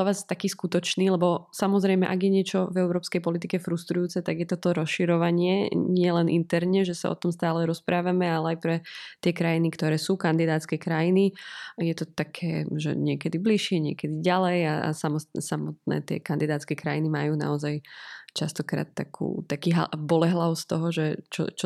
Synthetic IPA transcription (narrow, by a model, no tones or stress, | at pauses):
ɔʋaːzt̪akiːskut̪ɔt͡ʃniːlɛbɔsamɔzɾɛjmɛ̰ʔaɡjɛɲɪɛt͡ʃɔvɛʊɾɔːpskɛjpɔlit̪ikɛfɾust̪ɾujuːt͡sɛt̪aɡjɛt̪ɔt̪ɔɾɔsʃiɾɔʋaɲɪɛɲɪɛlɛnʔint̪ɛɾɲɛʒɛsa̰ɔ̰t̪ɔmst̪aːlɛɾɔspɾʔaːʋamɛalɛajpɾɛt̪ɪɛkɾajinikt̪ɔɾɛːsuːkand̪id̪aːt̪t͡skɛkɾajinijɛt̪ɔt̪akʰɛːʒɛ̰ɲɪɛkɛd̪ibliʃɪɛɲɪɛ̰kɛd̪iɟalɛjaa̰samɔsamɔt̪̚nɛ̰ːt̪ɪɛ̰kand̪id̪aːt̪t͡skɛkɾajinimajuːna̰ɔzajt͡ʃast̪ɔkɾa̰ːt̪ːakʰṵːt̪akiːɦabɔlɛɦlaʊst̪ɔɦɔʒɛt͡ʃɔ̰t͡ʃɔ